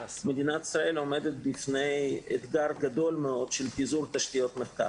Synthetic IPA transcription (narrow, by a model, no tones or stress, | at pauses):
med̪inat̪i̥sʁae̞lo̞med̪et̪̚bifnejet̪ɡaɾɡad̪o̞lmeo̞d̪̥ʃelpizuɾt̪aʃt̪ijo̞t̪meχt̪a̰